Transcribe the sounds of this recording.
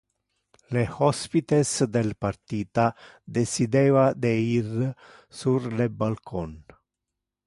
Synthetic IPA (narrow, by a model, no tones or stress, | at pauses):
lehɔspit̪esd̪elpaɾt̪iːt̪a | d̪esid̪eːvad̪eir | surlebalkʰon